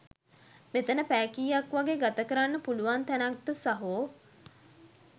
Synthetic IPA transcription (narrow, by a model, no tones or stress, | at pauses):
met̪ənəpæːkiːjakʋaɡeːɡat̪əkəɾanːəpuluʋant̪ænak̚d̪əsaɦoː